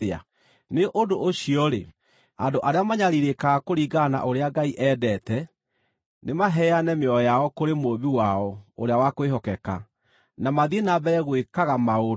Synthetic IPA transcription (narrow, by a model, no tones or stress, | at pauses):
a̰ | neʔodoʔoɕiɔɾe | andoʔaɾeamaɲaɾiɾekaɣakoɾiɡana̰ʔoɾeaɡaiʔɛːdɛtɛ | nemaɦɛanɛmeɔjaɔkoɾemoβiwaɔo̰ɾeawakoeɦɔkɛka̰ | namaðienabɛɾɛɣwekaɣamao